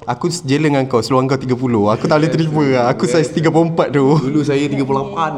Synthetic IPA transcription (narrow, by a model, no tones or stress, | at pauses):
akusd͡ʒələŋaŋkawsəluaŋk̬awt̪iɡapulohakut̪alut̪ɾipəakusajst̪iɡap̬loəmpat̪̚t̪uulusajat̪iɡapulapan